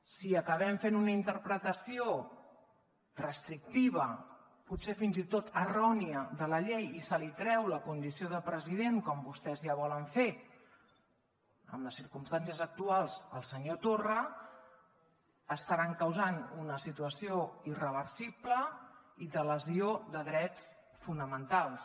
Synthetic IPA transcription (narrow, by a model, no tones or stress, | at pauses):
siəkəβ̞ɛɱfenunəint̪əɾpɾət̪əsio | rəst̪ɾik̚t̪iβ̞ə | putsefinzit̪ot̪ərɔniəðələʎɛjisəlit̪ɾɛwləkund̪isioðəpɾəziðeŋkɔmbust̪ɛzjaβ̞ɔləɱfe | ə̰mləsiɾkumst̪ansiəzək̚t̪ualˠzəlˠsəɲot̪orə | st̪əɾaŋkəwzanunəsit̪uəsioirəβ̞əɾsibləiðələzioðəðɾɛt͡s | funəmənt̪alˠs